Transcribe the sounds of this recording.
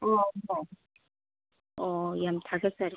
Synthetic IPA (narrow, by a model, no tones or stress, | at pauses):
ʌne | ʌjamtʰaɡes͈aɾ